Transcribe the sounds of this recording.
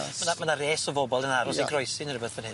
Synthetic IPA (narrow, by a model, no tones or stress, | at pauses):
mənamənareːsɔvɔbɔlˠənaɾɔsejɡrɔjsɪnərɪbəθvənhɪ